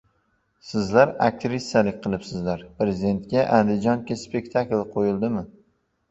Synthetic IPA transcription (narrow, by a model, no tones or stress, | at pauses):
sɪzlaɾak̚t̪ʰɾisalɪkʲqʰɨlˠɪpsɪzlaɾpɾezɪd̪e̞nt̪̚kʲaʔand̪ɪd͡ʒɒŋkʲɪspe̞k̚ʲt̪ʰaklqʰojɪlˠd̪ɪmɪ